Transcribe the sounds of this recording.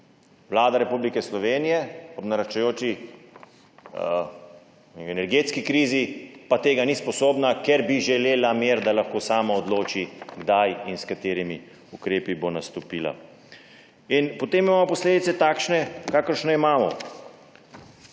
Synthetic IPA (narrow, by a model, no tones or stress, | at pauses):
ʋlaːd̪aɾɛpublikɛslɔʋeːnijɛɔbnaɾat͡ʃajoːt͡ʃi | ɛnɛɾɡeːt̪skikɾiːzipat̪eːɡanispɔsoːbnakɛɾbiʒɛleːlameːɾd̪alaxkoːsaːmaɔd̪loːt͡ʃiɡd̪ajinskat̪eːɾimi | ukɾeːpibonast̪ɔpiːla̰ | inpɔt̪eːmimaːmɔpɔsleːd̪it̪sɛt̪aːkʃnɛkaːkəɾʃnɔimaːmɔ̰